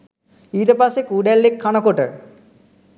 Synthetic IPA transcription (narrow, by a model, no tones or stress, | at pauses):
iɾɐpasekuːɖelːekʰːɐɳɐkoʈːɨ